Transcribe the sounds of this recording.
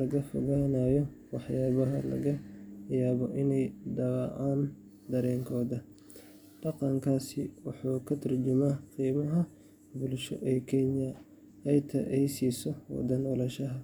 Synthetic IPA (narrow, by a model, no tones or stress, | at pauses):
lɐɣɐfɔɣaːnaːjɔ | wɑħjaːβɐɦɐlɐ̰ɣɐjaːβɔʔɪnɛjd̪ɐɣɑʔaːn | d̪ɐɾɛːŋkʰɔːðɐ | ɖɑqɑŋkʰaːsɪwʊħuːkʰɐt̪ʰɐrd͡ʒʊmaːqiːmɐɦɐ | bʊlʃɔ̰ʔɛːkʰɛnjɐ | ɛjt̪ʰɐ̰ʔɛjsiːsɔwɑ̰d̪ɐnɔlɐʃɐɦɐ